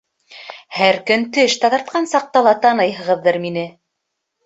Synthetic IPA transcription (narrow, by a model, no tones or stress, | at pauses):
hæɾkɵnt̪ɘʃt̪ɑðɑɾt̪̚qɑnsɑq̚t̪ɑlˠɑt̪ɑnɤjɦɤ̆ʁɤ̆ðːɤɾminɘ